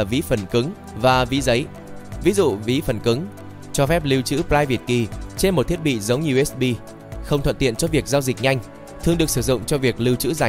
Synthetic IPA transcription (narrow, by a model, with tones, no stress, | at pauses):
a˨˩vḭ˧˨˦fə˨˧˩nkɨ˨˦ŋ | vaː˨˩vḭ˨˦zə˨˦j | vi˨˦zṵ˧˨vḭ˨˦fə˨˧˩nkɨ˨˦ŋ | t͡ɕɔ˧fɛ˦˥p̚li˧wt͡ɕɨ̰˧˥plaː˧jvi˨˩ət̚ki˨˩t͡ɕe˧nmo˨˩t̚t̪ʰi˦˥ət̚ɓḭ˧˨zə˨˦wŋ͡mɲi˨˧ə˩wʔɛ˦˥sɓi˧ | xə˧wŋ͡mt̪ʰwə̰˧˨nt̪ḭ˧˨ənt͡ɕɔ˧vi˨˩ək̚zaː˧wzï˨˩k̚ɲa˧jŋ̟ | t̪ʰɨ˨˩əŋɗɨ˨˩ək̚sɨ˧˩zʊ̰˧˨ŋ͡mt͡ɕɔ˧vi˨˩ək̚li˧wt͡ɕɨ̰˧˥za˨˩